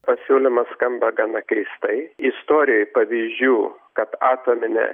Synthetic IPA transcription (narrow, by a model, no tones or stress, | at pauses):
pɐsʲuːlʲɪmɐsskɐmbɐɡɐnɐkʲɛɪst̪ɐɪɪst̪oːɾʲɪjɔjpɐʋʲiːzʲd͡ʒʲuːkɐt̪ɑːt̪oːmʲɪnʲɛ̰